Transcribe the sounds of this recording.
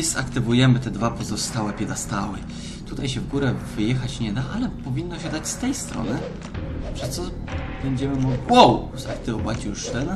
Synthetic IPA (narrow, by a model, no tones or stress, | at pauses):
zakt̪ɘvujɛmɘt̪ɛd̪vapɔzɔst̪awɛpʲɛd̪ast̪awɛ | t̪ut̪ajɕɛvɡuɾɛvɘjɛxat͡ɕɲɛd̪aʔalɛpɔvʲinːɔɕɛd̪at͡ɕst̪ɛjst̪ɾɔ̰nɘ | pʂɛst̪sɔ | b̥ɛɲd͡ʑɛmɘmɔɡlʲiwɔw | zakt̪ɘvɔvat͡ɕjuʂt̪ɛn